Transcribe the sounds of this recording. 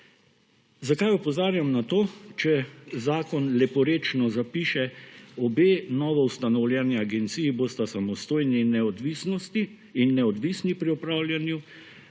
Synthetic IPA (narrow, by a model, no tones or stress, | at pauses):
zakajɔpɔzaːɾjamnat̪oːt͡ʃɛzaːkɔnlɛpɔɾeːt͡ʃnɔzapiːʃɛɔbeːnɔʋɔwst̪anɔwljɛniaɡɛnt̪siːjiboːst̪asamɔst̪oːjninɛɔd̪ʋisnɔst̪iː | nːɛɔd̪ʋiːsnipɾiɔpɾaːwljanju